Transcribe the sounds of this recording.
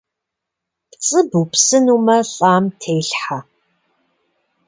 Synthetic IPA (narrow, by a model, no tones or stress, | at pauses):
pt͡sʼɨbupsɨnuːmɐɬʼaːmtʰeːɬħa